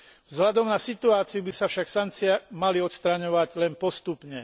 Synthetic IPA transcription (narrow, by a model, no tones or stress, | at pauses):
vzɦʎad̪ɔmnasit̪uaːt͡sijubisafʃaksaŋk̚t͡siamaliɔt̪st̪ɾaɲɔʋaɟlɛnpɔst̪upɲɛ